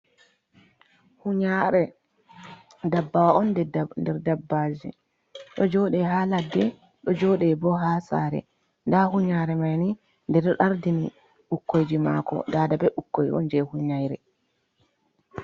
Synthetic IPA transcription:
huɲaɾɛ | dabːawaɔnndɛɾdabːad͡ʒḭ | ɗɔd͡ʒɔɗɛɦaːladːɛ | ɗɔd͡ʒɔɗɛbɔɦaːsa̰ːɾɛ̰ | ndahuɲaɾɛmajni | ndɛɾʔaɾdini | ʔukːojd͡ʒima̰ːkɔ̰daːdabɛukːoj̰ɔ̰nd͡ʒɛhuɲajɾɛ

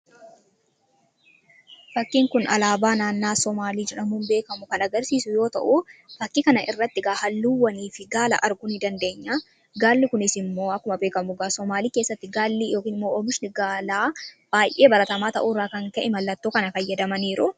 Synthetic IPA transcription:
fɐkːiːŋkʊnɐlaːbaːnaːnːaːsɔmaːliːd͡ʒɛᶑɐmuːnbeːkɐmʊkɐnɐɡɐɾsiːsʊjo̞ːt̪ɐ̰ʔʊfɐkːikɐnɐʔɪrːɐt̪ːɪɡaːhɐlːuːwːɐniːfɪɡaːlɐ̰ʔɐɾɡʊnɪd̪ɐnd̪e̞ːɲːa | ɡaːlːɪkʊnɪsɪmːo̞ːɐkːʊmɐbeːkɐmʊɡaːsɔmaːliːkeːsːɐt̪ːɪɡaːlːiːjo̞ːkiːnɪmːoːoːmɪʃnɪɡaːlaːb̥aːjʔe̞ːbɐɾɐt̪ɐmaːt̪ɐʔuːrːaːkɐŋkɐʔɪmɐlːɐt̪ːoːkɐnɐfɐjːɛd̪ɐmɐniːɾʊ

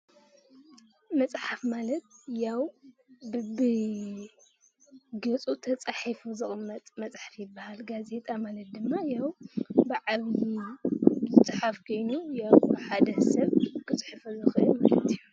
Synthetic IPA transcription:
mɐt͡sʼħafmalɐt̪jaw | bɨ | ɡɐt͡sʼut̪ʰɐt͡sʼaħifuzɨχʼmːɐt̪ʼmɐt͡sʼħafjɪbːahalɡaze̞t̪ʼʰamalɐt̪̚d̪ɨmːajawbɨʕaβji | zɨt͡sʼħafkʰo̞jnujawħad̪ɐsɐβkʰɨt͡sʼħɨfuzɨxʔɨma̰lɐ̰t̪iju

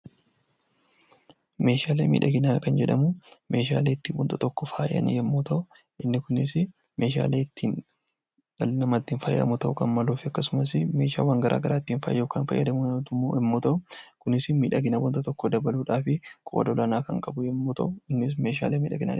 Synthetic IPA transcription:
me̞ːʃaːleːmḭːᶑɐɡɪnaːkɐnd͡ʒɛᶑɐmʊme̞ːʃa̰ːleːɪt̪ːiːwɔ̰nt̪ʼɐt̪ɔkːɔfa̰ːjʔɐ̰nɪ̰jɛmːoːt̪ɐʔʊ | ʔɪnːɪkʊnɪsɪ | me̞ːʃa̰ːleːɪt̪ːiːn | ɐlnɐmɐt̪ːiːnfɐj̰ʔɐ̰mʊt̪ɐʔʊkɐnmɐluːfɪɐkːɐsʊmɐs̬ɪmeːʃa̰ːwaːŋɡɐɾʔa̰ːɡɐɾʔaːɪt̪ːiːnfɐ̰ːjjoːkaːnfɐ̰jːɐ̰d̪ɐmʊnɐtːɛmːoːt̪ɐʔʊkʊnɪsɪmiːᶑɐɡɪnɐwɔnt̪ɐt̪ɔkːɔd̪ɐbɐluːᶑaːfɪkʼɔ̰d̪ɐɔlɐnaːkɐŋkʼɐbʊjɛmːoːt̪ɐʔʊɪnːɪs̬me̞ːʃ̬a̰ːleːmiːᶑɐɡɪna̰

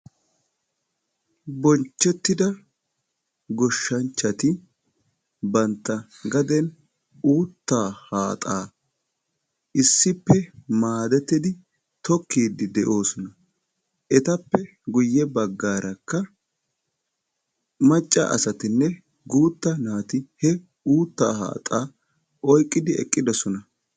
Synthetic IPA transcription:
bɔnt͡ʃːɛt̪ːɪd̪ɐ | ɡɔʃːɐnt͡ʃːɐt̪ɪ | bɐnt̪ːɐ | ɡɐd̪ɛn | uːt̪ːaːhaːt̪ʼaː | ʔɪsːɪpːɛmaːd̪ɛt̪ːɪd̪ɪ | t̪ɔkːiːd̪ɪd̪ɛʔo̞ːsɔnɐ | ʔɛt̪ɐpːɛ | ɡʊjːɛbɐɡːaːɾɐkːɐ | mɐt͡ʃʼːɐ̰ʔɐ̰sɐt̪ɪnːɛ | ɡuːt̪ːɐnaːt̪ɪhɛ | uːt̪ːa̰ːha̰ːt̪ʼaː | ʔɔjkʼːɪd̪ɪɛ̰kʼːɪd̪ɔsɔnɐ

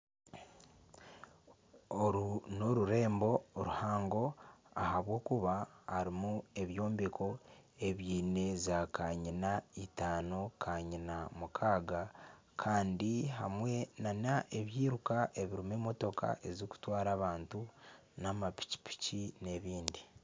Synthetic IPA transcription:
oɾnoɾuɾe̞ːmbo̞ɾuhaːŋɡo̞a̰haβwo̞ːkuβahaɾimue̞βjo̞ːmbikʰo̞e̞βjiːne̞zakʰaɲinaitaːno̞kʰaɲinamukʰaːɡa | kʰaːndiɦamwe̞nanaʔeβjiːɾukaʔe̞βiɾimeːmo̞to̞kʰa̰ʔe̞zoku̥twaːɾaːβaːntu | namapi̥ci̥pi̥cine̞βiːndi

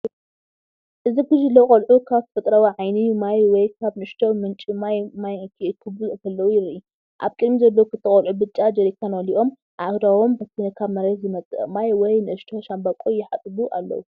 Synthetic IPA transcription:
ʔɨziɡɨʒɨlːokʼɐlʕukʰaβfɨt̪ʼɾawiʕajnijmajwɔjkkʰaβnɨɨʃt̪ʰomɨnt͡ʃʼimajmajkʰikʰɨbɨlkʰɐlːɐwujɪɾiu | ʔa̰βkʼɨlmizɐlːɐwukʰɨt̪ʰːɐχʼɐlʕubɨt͡ʃʼːad͡ʒɐɾik̪ʰanwɐliʔo̞m | ʕahd̪awombɐt̪ʰinɨkʰaβmɐɾet̪zɨmɐt͡sʼɨ̰ʔmajwɔjnɨʔɨʃt̪ʰo̞ʃambakʼojɪħat̪ʼɨβuʔa̰lːɐ̰wu

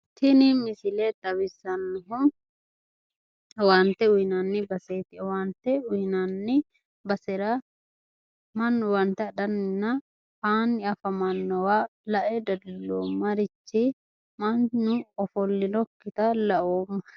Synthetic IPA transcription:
t̪ʰɪnɪmɪsɪlet̪ʼɐβɪsɐnːʊɦʊ | waːnt̪ɛʊjɪnaːnːɪbɐseːt̪ɪwaːnt̪ɛʊɪnanːɪ | bɐsɛɾa | mɐnːʊwɐnt̪ɛd̪ɐnːɪnːɐ | aːnːɪɐfɐmɐnːɔwaːlɐʔɛd̪ɐdlːoːmːɐɾɪt͡ʃːɪ | mɐnːʊɔfɔlːɪnɔkːɪt̪ɐlɐʔoːmɐ

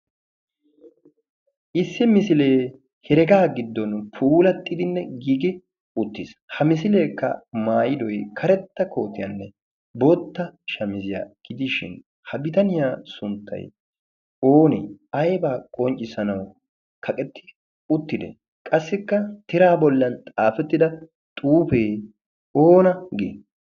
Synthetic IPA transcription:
ʔɪsːɪmɪsɪle̞ː | hɛɾɛɡaːɡɪd̪ːɔnpʰuːlɐt̪ʼːɪd̪ɪnːɛɡiːɡɪ | ʊt̪ːɪshɐmɪs̬ɪleːkːɐ̰maːjɪd̪ɔjkʰɐɾɛt̪ːɐkʰo̞ːt̪ɪjɐ̰nːɛ | boːt̪ːɐʃɐmɪzɪja̰ɡ̥ɪd̪ɪʃɪ̰n | hɐbɪt̪ɐnɪjaːsʊnt̪ʰːɐ̰j | oːnɛ̰ɐjbaːkʼɔnt͡ʃʼɪsɐnɐw | kʰɐkʼɛt̪ːɪ̥ | ʊt̪ːɪd̪ɛ̰ | kʼɐsːɪkːɐt̪ɪɾaːbɔlːɐnt̪ʼaːfɛt̪ːɪd̪ɐ | t̪ʼuːfeː | oːnɐɡɪ

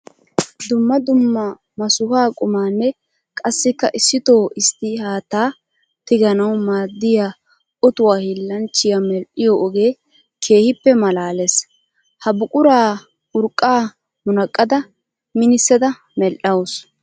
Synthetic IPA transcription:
d̪ʊmːɐd̪ʊmːɐ | mɐsʊhaːkʼʊmaːnːɛ | kʼɐsːɪkːɐʔɪsːɪt̪oːɪst̪ːɪhaːt̪aː | t̪ɪɡɐnɐwmaːd̪ːɪja | ʔɔt̪ʊwaːhilːɐnt͡ʃːɪjamɛlʔɪjoʔɔɡeː | kʰe̞ːhɪpːɛmɐlaːles | hɐbʊkʼʊɾaː | ʊɾkʼːaː | mʊnɐkʼːɐd̪ɐ | mɪnɪsːɛd̪ɐ | mɛlʔɐwʊs

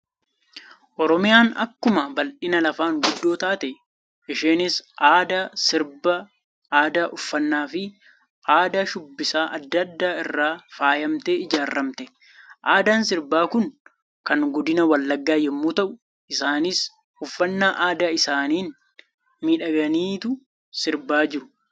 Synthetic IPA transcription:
ʔɔɾɔmɪjaːnɐ̰kːʊmɐbɐlᶑɪnɐlɐfaːŋɡʊd̪ːo̞ːt̪aːt̪ɛ | ɪʃeːnɪsaːd̪asɪɾbɐ | aːd̪aːʔʊfːɐnːaːfɪ | ʔaːd̪aːʃʊbːɪsaːʔɐd̪ːɐd̪ːaːɪrːaːfaːjɐmt̪eːɪd͡ʒaːrːɐmt̪ɛ | ʔaːd̪aːnsɪɾbaːkʊn | kɐŋɡɔd̪ɪnɐwɐlːɐɡːaːjɛmːuːt̪ɐʔʊ | ɪsaːnɪs | ʊfːɐnːaːʔaːd̪aːɪsaːniːn | miːᶑɐɡɐniːt̪ʊ | sɪɾbaːd͡ʒɪɾʊ̥

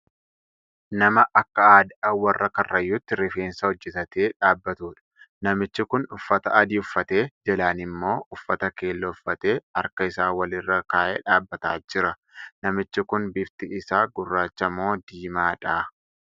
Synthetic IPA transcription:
nɐmɐʔɐkːɐaːd̪ɐwɐrːɐkɐrːɐjːʊt̪ːɪɾɪfeːnsɐhɔd͡ʒːɛt̪ɐt̪eːᶑaːbːɐt̪uːᶑɐ̥ | nɐmɪt͡ʃːɪkʊnʊfːɐt̪ɐɐd̪iʊfːɐt̪e̞ːd͡ʒɛlaːnɪmːo̞ːʔʊfːɐt̪ɐke̞ːlːɔʊfːɐt̪e̞ːɐ̰ɾkɐɪsaːwɐlɪrːɐkaːʔeːᶑaːbːɐt̪a̰ːd͡ʒɪɾɐ | nɐmɪt͡ʃːɪkʊnbɪft̪ɪɪsaːɡʊrːaːt͡ʃːɐmo̞ːd̪iːmaːᶑaː

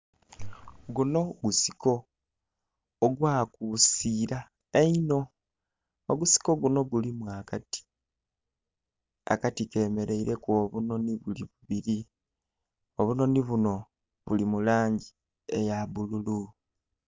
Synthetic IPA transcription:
ɡuno̞ɡusi̥ko̞ | ɡwaːkusiːɾa | eino̞ː | ɡusi̥ko̞ɡuno̞ɡulimwaːkati̥ | a̰katike̞ːme̞ɾe̞iɾe̞kwoːβuno̞niβuliβuβiɾi | oβuno̞niβuno̞ | βṵlimulaːɲɟi | ejaβululu

